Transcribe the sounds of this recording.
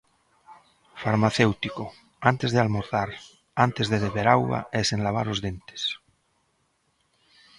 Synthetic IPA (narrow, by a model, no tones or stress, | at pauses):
faɾmaθewt̪iko | ant̪ezðealmoɾθaɾ | ant̪ezðeðeβeɾawɣa̰esẽnlaβ̞a̰ɾozðent̪e̥s